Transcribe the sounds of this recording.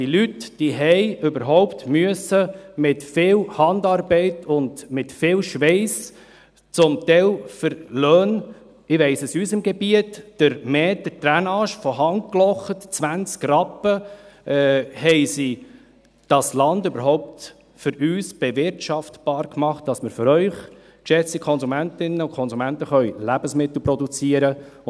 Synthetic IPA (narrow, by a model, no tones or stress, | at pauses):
d̥ilytd̥iɦɛɪʏbəɾɦɔʊptmyəsəmɪtfɪːlhɑndɑːɾbɛɪtʰʊndmɪtfɪːlʃʋɛɪs | t͡sʊmt̪ɛɪlfəɾløːn | ɪʋɛɪsəsyːsɪmɡebiətːəɾmɛːtd̥ət̪ɾænɑːʃfɔɦɑŋklɔχətt͡sʋænt͡skrɑpːəɛːhɛɪsi | d̥ɑslɑndøbəɾɦɔʊp̚t | fʏɾyːsb̥ɛʋɪɾtʃɑftb̥ɑːɾkmɑχt̚d̥ɑsməɾføɾœʏχ | kʃɛt͡sikʰɔnzumæntɪnːəʊkʰɔnzumæntəχœɥlæbəsmɪt̪l̩ˠpɾɔdut͡siəɾə